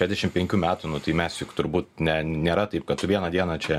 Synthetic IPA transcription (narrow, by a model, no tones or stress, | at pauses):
ʃʲæːzʲd̪ʲɛʃʲɪmpʲɛŋʲkʲuːmʲæːt̪ʊnʊt̪ɐɪmʲɛsjʊkt̪ʊɾbuːt̪̚nʲɛnʲeːɾɐt̪ɐɪp̚kɐt̪̚tʊʋʲiɛnɐd̪ʲiɛnɐt͡ʃʲɛ